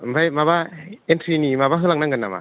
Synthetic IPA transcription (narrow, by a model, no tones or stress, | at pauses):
bajmabaent̪ʰɾinimabaɦɯlaŋnaŋɡanama̰